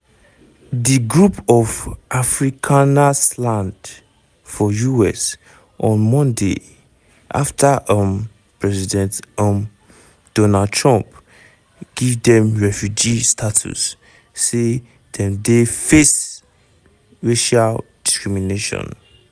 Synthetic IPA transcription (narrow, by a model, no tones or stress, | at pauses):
diɡɹupʰɔvʔafɹikʰanaslãnd | fɔjuɛ̰s | ʔɔ̃nmɔ̃ndḛ | ʔa̰ftʰaʔʌm | pɹɛzidɛ̃ntʌm | d̥ɔnad̚tʰɹɔ̃mp | ɡ̥ivdɛ̃mɹɛfjud͡ʒistʰatʰṵsː | e | dɛ̃mdefes | ɹeʃald̥iskɹimineʃɔ̰̃n